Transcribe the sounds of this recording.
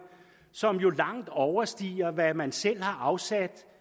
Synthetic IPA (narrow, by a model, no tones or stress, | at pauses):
sɒ̽mjo̝lɑ̈ŋ̰d̥ɒʊɐsd̥ḭːɐʋæmænsel̰hɑ̈ʔɑ̈ʊsæd̥